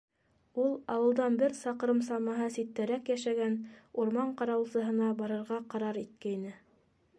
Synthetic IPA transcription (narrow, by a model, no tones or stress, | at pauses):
ulˠɑwɤ̆lˠd̪ɑnbɘɾsɑqɾɤmsɑmɑɦɤsit̪ːæɾækjæʃæɡænuɾmɑɴqɑɾɑwlˠsɤ̆ɦɤ̆nɑbɑɾɤ̆ɾʁɑqɑɾɑɾit̪̚kæjnɘ